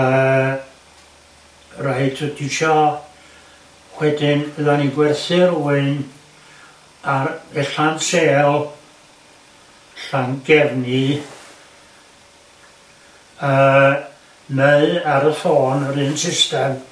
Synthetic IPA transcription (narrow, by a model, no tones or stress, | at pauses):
ə | rajtʰɨdɪʃɔ | wɛdɪnəðaniɡwɛrθɨruːɨn | aɛɬanseːlˠ | ɬaŋɡɛrni | əː | meðaɾəθoːnəɾɨːnsɪstɛm